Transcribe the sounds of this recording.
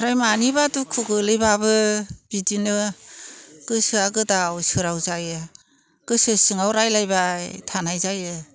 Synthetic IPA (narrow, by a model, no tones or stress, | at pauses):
ɾajmanibadukʰuɡɯlɯjbabɯb̥idinɯ | ɡ̥ɯsɯaɡɯdawsɯɾawzajɯ | ɡ̥ɯsɯsɯŋawɾajlajbatʰanajzajɯ